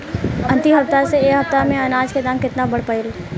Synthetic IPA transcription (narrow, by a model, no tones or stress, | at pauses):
ɐ̃nt̪iɦɐp̚t̪aseeːkɦɐft̪amẽɐnaːd͡ʒked̪ãːmkɪt̪nabɐɽpəɪl